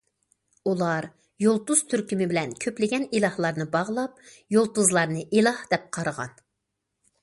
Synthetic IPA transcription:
ulˠɑɾ | jolˠt̪uz̥t̪ʰyɾkʲymɪbɪlɛnkʲʰøplɪɡʲɛnilˠɑhlˠɑɾnɨbɑʁlˠɑp̚ | jolˠt̪uzlˠɑɾnɨʔilˠɑhd̪̥ɛp̚qʰɑɾəʁɑ̰n

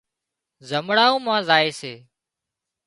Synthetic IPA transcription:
zəmɽaːũːmãːzaːeːseː

